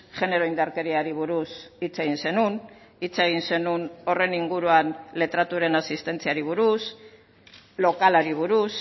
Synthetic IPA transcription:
ʝe̞ne̞ɾo̞ind̪aɾke̞ɾiaɾiβ̞uɾusit͡se̞ɣ̞inse̞nun | it͡seɣ̞inse̞nuno̞re̞niŋɡuɾuanle̞t̪ɾat̪uɾe̞nasist̪e̞nt͡siaɾiβ̞uɾus | lo̞kalaɾiβ̞uɾus

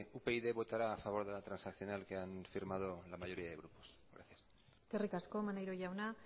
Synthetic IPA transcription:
upe̞iðe̞βo̞t̪aɾaːfaβ̞o̞ɾð̞e̞lat̪ɾansakθjo̞nalkeanfiɾmað̞olamaʝo̞ɾiaðe̞ɣɾuposɡɾa̰θjas | eske̞rikasko̞manejɾoʝawna

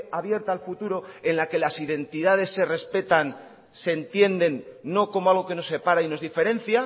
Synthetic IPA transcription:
aβje̞ɾt̪alfut̪uɾo̞e̞nlake̞lasiðe̞nt̪iðað̞e̞sːe̞re̞spe̞t̪an | sent̪je̞nd̪e̞nːo̞ko̞moalɣ̞o̞ke̞no̞se̞paɾaino̞zðife̞ɾe̞n̟θja

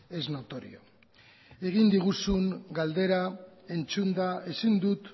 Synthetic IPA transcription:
e̞zno̞t̪o̞ɾḭo̰ | e̞ɣ̞ind̪iɣ̞usuŋɡald̪e̞ɾae̞nt͡sund̪ae̞sind̪ut̪

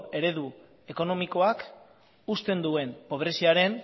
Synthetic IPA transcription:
e̞ɾe̞ðu | e̞ko̞no̞miko̞ak | ust̪e̞nd̪ue̞npo̞β̞ɾe̞siaɾe̞n

